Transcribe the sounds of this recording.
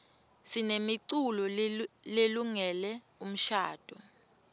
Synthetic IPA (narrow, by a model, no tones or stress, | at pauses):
sinemiǀulɔleluŋɛlɛ | um̩ʃaːd̥ʱu